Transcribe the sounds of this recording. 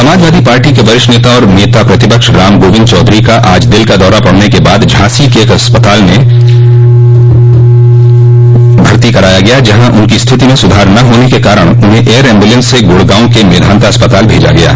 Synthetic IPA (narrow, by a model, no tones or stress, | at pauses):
sɐmaːd͡ʒʋaːd̪ipaːɾʈikebɐɾɪʃneːt̪aɔːɾneːt̪apɾɐt̪ɪpəkʃɾaːmɡoːʋɪ̃d̪t͡ʃɔːd̪ɾikaʔaːd͡ʒd̪ɪlkad̪ɔːɾapɐɽ̤nekebaːd̪d͡ʒʱãːsikeːkɐspət̪aːlme | bʱɐɾt̪ikɐɾaːjaɡɐjad͡ʒɐɦãʔʊnkist̪ʰɪt̪imẽsʊd̪ʱaːɾnɐɦoːnekekaːɾəɽ̃ʊnɦẽʔeːəɾɛ̃ːmbulẽnsːeɡoːɽɡãːʊ̃kemeːd̪ʱaːnt̪aɐspət̪aːlbʱeːd͡ʒa̰ɡɐja̰ː